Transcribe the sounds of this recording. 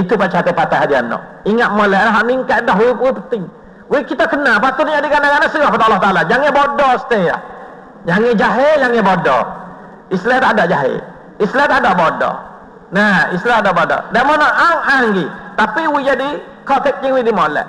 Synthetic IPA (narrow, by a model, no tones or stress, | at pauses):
it̪upat͡ʃat̪əpat̪aɦadianɔ̰ʔ | iŋat̪̚molɛʔlaɦaʔniŋkat̪̚dɔɦwiwipət̪ɪŋ | wikit̪akənapat̪ʊt̪ɲadiɡanaɡanaʔsəɣɔhpadaalːɔht̪aalad͡ʒaŋɪbodɔsə̥t̪ea̰h | ɲaŋɪd͡ʒaɦeɲaŋɪbodɔ̰ | islɛt̪adaʔd͡ʒaɦḛ | islɛt̪adaʔbodɔ̰ | naislɛt̪adaʔbodɔ̰damɔnɔʔaŋaŋɡit̪apiwid͡ʒadi | kɔt̪ɛk̚d͡ʒɪŋwidimolɛ̰ʔ